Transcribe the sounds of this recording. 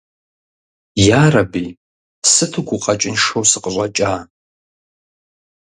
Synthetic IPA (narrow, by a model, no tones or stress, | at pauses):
jaːrɐbi | sɨtʰɨɡʷʊqʼɐt͡ʃʼɪnʂowsɨqʼəɕʷʼɐt͡ʃʼaː